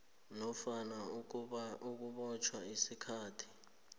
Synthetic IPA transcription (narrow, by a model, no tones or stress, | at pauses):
nɔfana | uk̬uɓɔt͡ʃʰwaisikʰaːtʰi̥